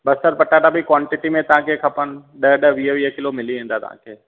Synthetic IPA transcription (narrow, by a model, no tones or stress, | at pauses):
bɐst̪əɾpɐʈːaʈabʱikwaːɳʈɪʈimẽt̪ɐʋ̤ãːkʰekʰɐpənɗəɗəʋiːɦəʋiːɦəkɪlomɪliʋẽːnd̪at̪ɐ̰̤ã̰ːkʰeː